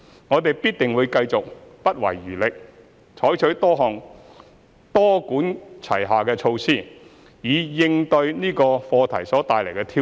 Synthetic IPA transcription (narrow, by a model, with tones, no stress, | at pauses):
ŋɔː˨˧t̪e˨jpiː˥t̚t̪ɪ˨˩ŋwu˨˧jkɐ˧jt͡sʊ˨k̚pɐ˥t̚wɐ̰˨˩jːyː˨˩lɪ˨k̚ | t͡ʃʰɔː˨˥jt͡ʃʰɵ˨˥ɥt̪ɔː˥ɦɔː˨˩ŋ | t̪ɔː˥kuː˨˥nt͡sʰɐ̰˨˩jɦaː˨kɛː˧t͡ʃʰo˧wsiː˥ | jiː˨˧jɪ˧ŋt̪ɵ˧ɥniː˥kɔː˧fɔː˧t̪ʰɐ̰˨˩jsɔː˨˥t̪aː˨jlɐ˨˩jkɛː˧t̪ʰiː˥